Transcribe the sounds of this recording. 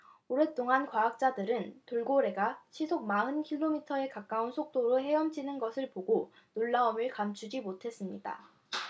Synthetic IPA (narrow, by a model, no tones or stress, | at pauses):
oɾe̞t͈oŋankwaak̚t͡ɕ͈adɯɾɯntoɭɡoɾe̞ɡaɕʰisʰok̚maɯnkʰiɭːomitʰʌe̞kak͈̚aunsʰok̚t͈oɾoɦe̞jʌmt͡ɕʰinɯnɡʌsʰɯɭpoɡo | noɭːaomɯɭkamt͡ɕʰud͡ʑimotʰe̞s͈ɯmɲida̰